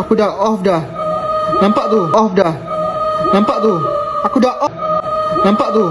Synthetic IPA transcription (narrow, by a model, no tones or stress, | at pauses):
akudaʔɔfdah | nãmpaʔt̪uʔɔfdah | nãmpaʔt̪uakudaʔɔ | nãmpaʔt̪u